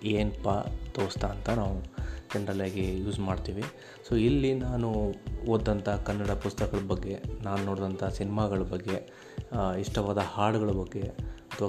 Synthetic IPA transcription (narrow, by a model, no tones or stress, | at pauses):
eːnpat̪oːɾst̪aːnt̪ɐnaːʋud͡ʒɛɳɖɾɐlɐːɡejuːzmaːɖt̪iːʋi | soːilːinaːnuoːd̪ːɐnt̪ʰakɐnːɐɽɐpust̪ɐkɐɭɐbɐɡːe̞naːnunoːɽd̪ɐnt̪ʰaːsinimaːɡɐɭɐbɐɡːe̞ | iʂʈɐʋaːd̪ɐhaːɽuɡɐɭɐbɐɡːe̞ɐt̪ʰʋa